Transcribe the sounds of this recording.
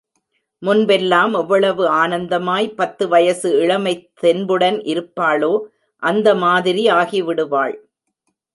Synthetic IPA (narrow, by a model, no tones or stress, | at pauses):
mʊnbɛlːaːmɐʋːɐɭɐʋɯaːnɐnd̪ɐmaːjpɐt̪ːɯʋɐjɐsɯɪɭɐmɐɪt̪ːɛnbɯɽɐnʔɪɾɯpːaːloː | ʔɐnd̪ɐmaːðɪɾiaːɣiʋɪɽɯʋaːɭ